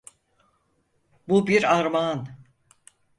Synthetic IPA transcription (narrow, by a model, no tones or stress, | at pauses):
bubiɾaɾman